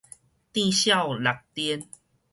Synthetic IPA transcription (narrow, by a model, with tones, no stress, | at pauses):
t̪ĩ˥˧ɕja˥˧˨wla˨k̚t̪i˦n